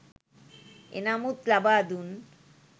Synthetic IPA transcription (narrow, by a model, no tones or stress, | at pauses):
ḛnamut̪labad̪un